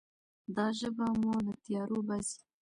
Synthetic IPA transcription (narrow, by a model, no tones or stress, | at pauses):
d̪ɑʒəbamolət̪ijɑɾobazi̥